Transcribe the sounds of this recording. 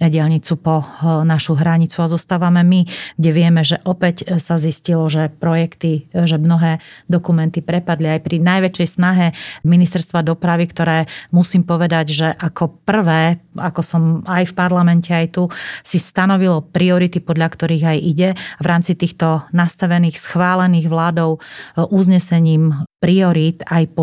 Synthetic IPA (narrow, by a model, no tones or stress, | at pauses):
ɟɪɛʎɲit͡supɔnaʃuɦɾaɲit͡suazɔst̪aːʋamɛmiɡɟɛʋɪɛmɛʒɛʔɔpɛcsaziscilɔʒɛpɾɔjɛkt̪iʒɛmnɔɦɛːd̪ɔkumɛnt̪ipɾɛpad̪liajpɾinajʋɛt͡ʃɛjsnaɦɛminist̪ɛɾst̪ʋad̪ɔpɾaʋikt̪ɔɾɛːmusiːmpɔʋɛd̪aɟʒɛʔakɔpr̩ʋɛːakɔsɔmajfpaɾlamɛncɛajt̪usist̪anɔʋilɔpɾiɔɾit̪ipɔd̪lʎakt̪ɔɾiːɣajʔiɟɛaʋɾaːmt͡sit̪iːxt̪ɔnast̪aʋɛniːxsxʋaːlɛniːɣʋlaːd̪ɔʊʔuzɲɛsɛɲiːmpɾiɔɾiːt̪ajpɔ